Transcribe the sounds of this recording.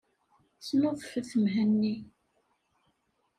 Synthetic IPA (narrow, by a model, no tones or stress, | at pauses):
snoðˤfəθəmɦænːi